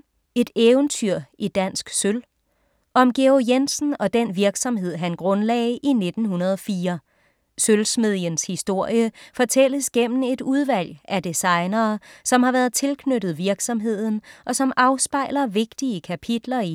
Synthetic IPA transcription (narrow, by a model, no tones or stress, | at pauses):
e̝d̥eːʊənt͡sʰyɐ̰ʔid̥æn̰sɡ̥søl | ʔɒ̽mɡ̥eojensn̩ɒ̽d̥enʋiɐɡ̥sɒ̽mɦe̝ð̞̰ˠɦænɡ̥ʁɔ̽nlɛ̰ɪʔine̝d̥n̩hunɐð̞ˠɒ̽fiːɐ | sølsme̝ð̞̰ˠjənshisd̥o̝ɐ̰jəfɒ̽t͡sʰel̰əsɡ̥em̰n̩e̝d̥uðˠʋæl̰ʔæd̥isɑ̈ɪnɐːsɒ̽mhɑ̈ʋæɐð̞̩ˠt͡sʰe̝lkʰnøɾ̥ð̩ˠʋiɐɡ̥sɒ̽mɦe̝ð̞̰ˠn̩ʔɒ̽sɒ̽mʔɑ̈ʊsb̥ɑ̈ɪlɐʋe̝ɡ̥d̥iəkʰæpʰid̥lɐi